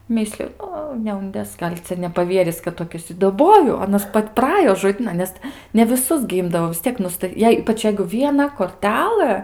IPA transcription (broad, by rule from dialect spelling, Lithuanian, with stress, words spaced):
ˈmʲɪsʲlʲʊ ˈoː nʲɛʊnʲˈdʲeːs ˈɡɐlʲ ˈt͡sʲɛ nʲɛpɐˈʋʲiɛrʲɪs kɐt toːˈkʲɪs ɪ dɐˈboːjʊ ɐˈnɐs ˈpɐtʲ prɐˈɑːjoː ʒoːˈdʲiːnɐn ˈnʲɛs nʲɛ ʋʲɪˈsʊs ɡʲɪ ˈɪmdɐʋoː ʋʲɪs ˈtʲiɛk ˈnʊstɐ ˈjɛɪ ˈiːpɐt͡ʃ jɛɪ ʋʲiɛˈnɐ koːrʲˈtʲæːlˠɘ